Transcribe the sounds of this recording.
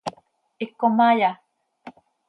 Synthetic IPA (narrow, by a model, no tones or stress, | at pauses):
ikːomaja